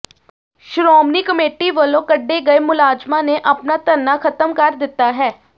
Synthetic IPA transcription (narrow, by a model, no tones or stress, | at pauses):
ʃɾɔːmniːkəmeːʈiʋəlõːkəɖːeɡəemʊlaːd͡ʒmãːneʔəpnaːt̪ənːaːkʰət̪əmkəɾd̪ɪt̪ːaːɦɛː